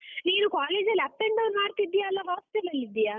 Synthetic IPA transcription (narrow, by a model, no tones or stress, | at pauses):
niːnukaːleːd͡ʒɐlːɐpːeɳɖɐwnmaːɾk̪id̪ːijaːlːɐʋaːʋst̪ɛlɐlːid̪ːija